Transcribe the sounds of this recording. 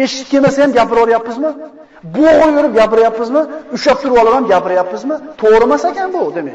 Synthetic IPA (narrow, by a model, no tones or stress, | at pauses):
eʃɪ̥t̪̚ʲkʲemɛsɛjɛmɡʲæpɪɾɑlˠɾˠijɑpːɨzmɨ | bʊojøɾɪp̚ɡʲæpɪɾjɑpːɨzmɨyʃɑp̚t̪ʰuɾuwɑlˠɨʁɑmɡʲæpɪɾjɑpːɨzmɨt̪ʰoʁɾɨmasekʲɛnbʊd̪emekʲ